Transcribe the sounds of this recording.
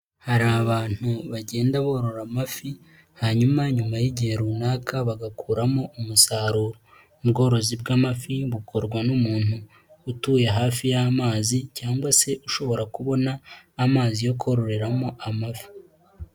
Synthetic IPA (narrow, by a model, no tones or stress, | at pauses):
haɾaβaːn̥huβaɟe̞ːndaβo̞ɾo̞ɾamafi | haɲumaɲumajiɟiheɾunaːkʰaβaɡakʰuːɾamo̞umusaːɾuːɾo | ubɡo̞ːɾo̞zibɡaːmafiβukʰo̞ɾɡwanumuːnhuː | tuːjeɦaːfijaːmaːzicaːŋɡwase̞ʔuʃo̞βo̞ɾakuβo̞naːmaːzijo̞kʰo̞ɾo̞ɾe̞ɾamo̞ʔamafi̥